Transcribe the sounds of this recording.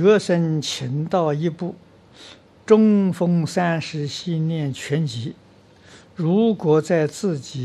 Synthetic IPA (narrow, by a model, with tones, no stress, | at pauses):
ɤ˥ʂə˥nt͡ɕʰi˧˥nt̪ɑ˥˧ʊi˧˥˧pu˥˩ | ʈ͡ʂʊ˥ŋfɤ˥ŋsa˥nʂɻ̩˧˥ɕi˥˧njɛ˥˩nt͡ɕʰɥɛ˧˥nt͡ɕi˧˥ | ɻu˧˥kwɔ˧˥t͡sa˥˧ɪt͡sɹ̩˥˩t͡ɕi˨˩˦